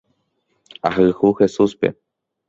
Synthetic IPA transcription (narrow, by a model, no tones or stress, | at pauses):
aɦɨhuhe̞suspe̞̰